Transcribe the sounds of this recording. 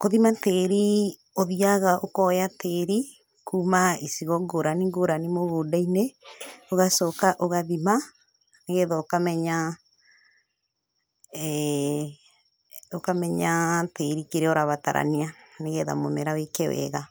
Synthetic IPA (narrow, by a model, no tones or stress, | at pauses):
koðimateɾi | oðiaɣaʔokɔjateɾi | kuːmaisiɣɔŋɡoɾaniŋɡoɾanimoɣodaineoɣasɔkaʔoɣaðima | neɣɛðaokamɛɲa | okamɛɲateɾikeɾɛoɾaβata̰ɾa̰nianeɣɛða̰momɛɾawekɛwɛ̰ɣa